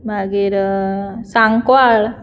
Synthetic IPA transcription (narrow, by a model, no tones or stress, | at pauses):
baɡiɾ | saŋkwal